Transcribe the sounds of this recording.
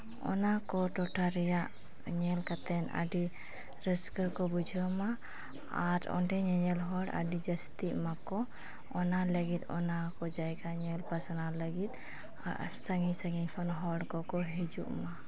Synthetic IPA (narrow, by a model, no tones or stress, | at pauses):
ɔ̰nakɔʈɔʈʰaɾɛjaʔ | ɲɛlkat̪ɛnə̰ɖi | ɾəskəkɔbud͡ʒʱəma | aɾɔ̰ɳɖɛɲɛɲɛlɦɔɽa̰ɖid͡ʒəst̪iʔmakɔ | ɔnaləɡit̪̚ɔ̰nakɔd͡ʒajkaɲɛlpasanaləɡit̪̚ | saŋisəɡipʰɔnɦɔɽkɔkɔɦid͡ʒṵʔma